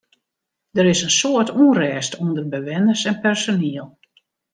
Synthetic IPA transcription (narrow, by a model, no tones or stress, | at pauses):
d̥əɾɪsənsoːətuənrɛːstundərbəʋɛnərsɛnpɛrsoniəlˠ